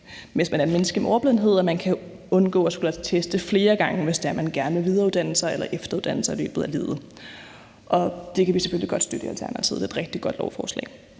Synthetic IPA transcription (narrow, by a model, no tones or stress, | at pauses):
mensmænæɐenmenəsɡ̥əmeʔɒʊɐb̥eðˠn̩ɦe̝ð̞̰ˠɒmænkʰæ | ɔ̽nɡ̥ɔ̰ːɒsɡ̥ulæt͡sʰesd̥əfle̝ːɐɡ̥ɑ̈ŋəʋe̝sd̥eæɐmænɡ̥æɐnəʋeʋið̞ˠɐuðˠd̥ænl̩sɑ̈ɪelɐʔefd̥ɐuðˠd̥æn̰l̩sɑ̈ɪlø̰ːb̥ð̩ˠæleːðˠə | ʔɒ̽d̥e̝kʰæʋise̥føliɡ̥ɒ̽d̥sd̥ød̥əiælt͡sʰæɐnæt͡sʰḭð̰ˠd̥e̝̥ːd̥ʁɛɡ̥̚d̥iɡ̥ɒ̽d̥lɒ̰ʊfɒːslɛ̰ː